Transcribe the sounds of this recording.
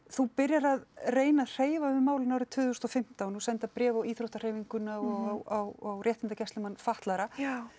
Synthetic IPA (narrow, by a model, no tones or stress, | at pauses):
θupɪɾjaɾaðreːjnaðr̥eːjvaʏvɪmaːwlɪnawɾɪt̪ʰʏːðʏst̪ɔfɪm̥t̪anusɛnt̪apɾɛːvawiːθɾowht̪ar̥eːjviŋkʏnawawawrjɛht̪ɪnt̪acɛst̪ɪmanfaht̪laɾa